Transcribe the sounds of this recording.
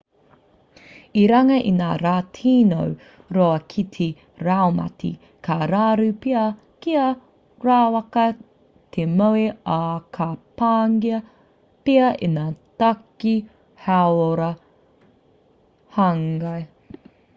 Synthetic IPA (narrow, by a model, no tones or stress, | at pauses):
iɾɐŋɐʔinaːɾaːtʰiːno̰w | ɾoɐkʰitʰi | ɾawmɐ̰tʰḭ | kʰaɾaːɾupiɐ | kiɐ | ɾaːwɐkɐ | t̪ʰemowiakʰɐpaːŋɡiɐ | peɐʔenaːtaki | hawoɾɐ | hɐŋɡaj